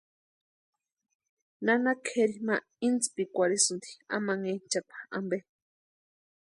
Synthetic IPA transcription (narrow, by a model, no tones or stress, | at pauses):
nanakʰeɾima | int͡spikʷaɾisund̪i̥a̰maŋent͡ʃapḁa̰mbe